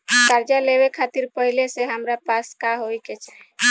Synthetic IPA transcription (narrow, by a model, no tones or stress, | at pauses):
kaɾd͡ʒaleβekʰat̪iɾpəɦileseɦəmɾapaskaɦojket͡ʃʰɛ̥